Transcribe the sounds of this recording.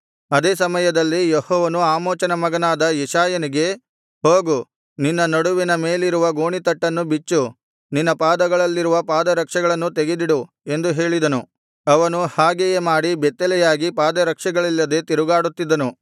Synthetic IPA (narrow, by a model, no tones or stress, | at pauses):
ɐd̪eːsɐmɐjɐd̪ɐlːijehɔːʋɐnuaːmoːt͡ʃɐnɐmɐɡɐnaːd̪ɐjɛʃaːjɐniɡe̞ | ho̞ːɡu | ninːɐnɐɽuʋinɐme̞ːliɾuʋɐɡoːɳit̪ɐʈːɐnːubit͡ʃːu | ninːɐpaːd̪ɐɡɐɭɐlːiɾuʋɐpaːd̪ɐɾɐkʂɐɡɐɭɐnːut̪eɡed̪iɽu | e̞nd̪uɦe̞ːɭid̪ɐnu | ɐʋɐnuhaːɡejemaːɽibɛt̪ːɛlɛjaːɡipaːd̪ɐɾɐkʂɐɡɐɭilːɐd̪e̞t̪iɾuɡaːɽut̪ːid̪ɐnu